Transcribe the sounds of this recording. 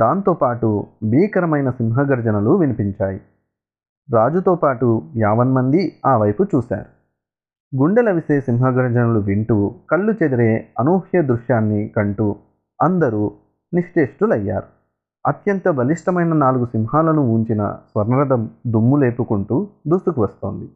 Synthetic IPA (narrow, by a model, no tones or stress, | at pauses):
d̪aːnt̪oːpaːʈubʱiːkɐɾɐmɐjnɐsimɦɐɡɐɾd͡ʒɐnɐluʋinipiɲt͡ʃaːji | ɾaːd͡ʒut̪oːpaːʈujaːʋɐnmɐnd̪iaːʋɐjput͡ʃuːsa̰ːɾu | ɡuɳɖɐlɐʋise̞ːsimɦɐɡɐɾd͡ʒɐnɐluʋiɳʈuːkɐɭːut͡ʃed̪iɾe̞ːɐnuːhjɐd̪ɾuʃjaːnːikɐɳʈu | ɐnd̪ɐɾuː | niʂʈe̞ːʂʈulɐjːa̰ːɾu | ɐt̪jɐnt̪ɐbʱɐliʂʈɐmɐjnɐnaːluɡusimɦaːlɐnuuɲt͡ʃinɐ̰sʋɐɾnɐɾɐd̪ɐmd̪umːule̞ːpukuɳʈuːd̪ust̪ukuʋɐst̪o̞̰ːnd̪i